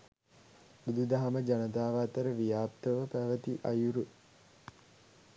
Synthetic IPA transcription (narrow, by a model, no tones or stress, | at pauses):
bud̪ud̪aɦaməd͡ʒanət̪aːʋaːt̪əɾəʋijaːp̚t̪əʋəpæʋət̪iʔɐjuɾu